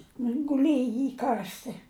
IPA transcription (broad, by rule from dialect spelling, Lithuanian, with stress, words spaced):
ˈnʊ jɪn ɡʊˈlʲeːjɪ ˈiː ˈkɐrʲsʲtʲɪ